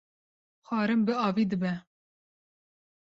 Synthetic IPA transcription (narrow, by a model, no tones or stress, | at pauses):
xʷɑːɾɨmbɨɑːviːd̪ɨbɛ